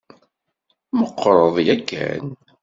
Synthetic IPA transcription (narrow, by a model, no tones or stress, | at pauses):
məqːɾˤəðˤjækːæ̰n